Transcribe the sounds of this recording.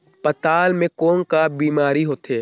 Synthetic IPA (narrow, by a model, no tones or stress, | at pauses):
pɐt̪aːlmẽkoːŋkabiːmaːɾiɦoːt̪eː